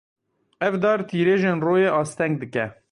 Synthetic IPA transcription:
ɛvd̪ɑːɾt̪ʰiːɾeːʒeːnroːjeːʔɑːst̪ɛŋɡ̚d̪ɨkɛ

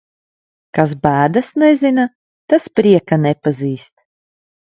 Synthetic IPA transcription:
kasbæːd̪asnɛzina | t̪aspɾiɛkanɛpaziːst̪̚

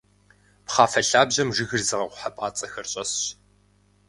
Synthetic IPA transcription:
pχɑːfɐɬaːbʑɐmʒɨɣɨrzɨʁɐqʷʊħapʼaːt͡sʼɐxɐrɕʼɐsɕ

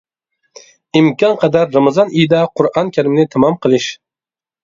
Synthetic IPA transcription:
ɪmkɒnqʰɑd̪aɾːɑmɑzɑnɪjd̪aqʰʊɾɑnkʲʰaɾɪmnɪt̪ʰamɑmqʰɨlˠɪʃ

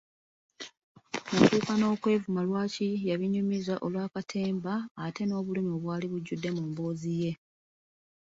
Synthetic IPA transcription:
mutuːkano̞ːkwe̞ːvumalwaːcijaβiɲːumizaʔo̞lwaːkatʰe̞ːmbaːte̞no̞ːβulimio̞βwaːliβuɟːudːe̞muːmbo̞ːzije̞

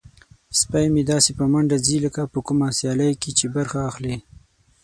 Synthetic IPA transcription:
spajmed̪ɑsepəmaɳɖaziləkapəkumasjɑlajket͡ʃebaɾxaːxle

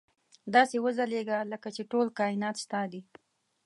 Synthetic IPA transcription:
d̪ɑsewəzaleɡaləkat͡ʃeʈolkɑɪnɑt̪st̪ɑd̪i

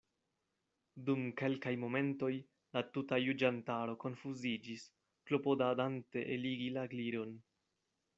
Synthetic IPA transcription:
dumke̞lkajmo̞me̞nto̞j | latutajud͡ʒantaɾo̞ko̞nfuzid͡ʒis | klo̞po̞dadante̞ʔeliɡilaɡliɾo̞n

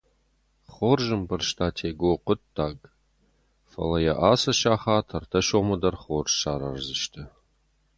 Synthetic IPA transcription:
χoːrʒɨmbɨrʃtʰaːtʰeːɡoːqʷʊtʰːaːɡ | fɐ̰lɐjɛʔaːsɐʃaːχaːtʰɐrtʰɐʃoːmɐdɐrχoːrʃaːɾɐrzɨʃtʰɐ

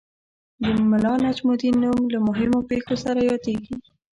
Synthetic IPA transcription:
d̪əmɪlɑnad͡ʒmud̪inumlamʊɦɪmopexosaɾajɑd̪eɡi

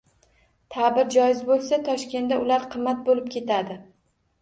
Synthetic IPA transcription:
t̪ʰabɪɾd͡ʒɒjɪzbolˠsat̪ʰɒʃkʲe̞nd̪aʊlaɾqʰɨmːat̪̚bolɪp̚kʲʰe̞t̪ʰad̪ɪ

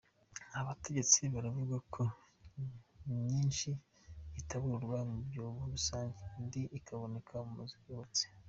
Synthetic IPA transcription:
aβate̞ɟe̞t͡siβaɾavuɡakʰo | ɲɲiːnʃiː | taβuɾɡwamubɟoːβuɾusaːɲɟendiʔikʰaβo̞ne̞kʰamumuziɡoβat͡se̥

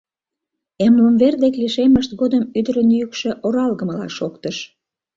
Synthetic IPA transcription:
emləmβerd̪ekliʃeməʃt̪ɣod̪əmyd̪əɾənjykʃĕʔoɾɑlɣəməlɑ̰ʃokt̪əʃ

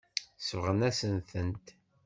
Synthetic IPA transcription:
svəʁənæsənθənt̪

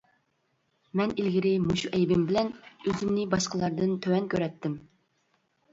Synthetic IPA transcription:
mɛnilɡʲiɾɪmuʃuʔɛjbɪmbɪlɛnøzymnɪbɑʃqəlˠɑɾd̪ɨnt̪ʰøwɛnkʲʰøɾɛt̪ːɪm

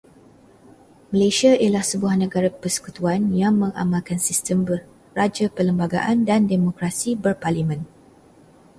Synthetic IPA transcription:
məlesiaʔilahsəbuahnəɡaɾapəsə̥kut̪uanjaŋmə̃ŋa̰malkansist̪əmbə | rad͡ʒapələmbaɡa̰ʔandandemokɾasibərparlimə̃n

